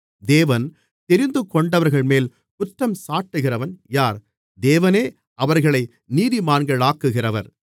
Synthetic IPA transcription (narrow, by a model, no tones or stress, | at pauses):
d̪eːʋɐn | t̪ɛɾɪnd̪ɯkːɔɳɖɐʋɐɾɣɐɭmeːl | pʊtːɐmsaːʈːɯɣɪrɐʋɐnjaːɾ | d̪eːʋɐneː | ɐʋɐɾɣɐɭɐɪ | niːðimaːnɡɐɭaːkːɯɣɪrɐʋɐɾ